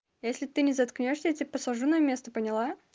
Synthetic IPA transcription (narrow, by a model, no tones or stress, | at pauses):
jesʲlʲɪt̪ɨnʲɪzɐt̪knʲoʂsʲətʲipəsˠɐʐunəjəmʲe̞st̪əpənʲɪlˠa